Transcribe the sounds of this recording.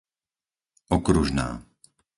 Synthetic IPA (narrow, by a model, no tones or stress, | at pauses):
ɔkɾuʒna̰ː